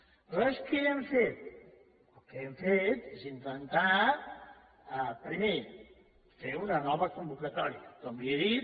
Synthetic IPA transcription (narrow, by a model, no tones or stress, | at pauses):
əskeɛɱfet̪̚ | əlˠkeɛɱfet̪ezint̪ənt̪a | əpɾime | feunənɔβəkumbukət̪ɔɾiəkɔmieðit̪